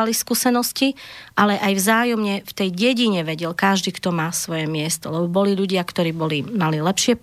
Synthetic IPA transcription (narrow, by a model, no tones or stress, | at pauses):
aliskuːsɛnɔsciʔalɛʔajvzaːjɔmɲɛft̪ɛjɟɛɟiɲɛʋɛɟɛlkaʒd̪iːkt̪ɔmaːsʋɔjɛmɪɛst̪ɔlɛbɔbɔliʎuɟɪakt̪ɔɾiːbɔlimalilɛpʃɪɛp